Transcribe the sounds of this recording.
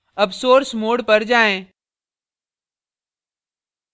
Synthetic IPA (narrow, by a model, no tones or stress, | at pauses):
ɐpsoːɾsmoːɖpɐɾd͡ʑaːẽ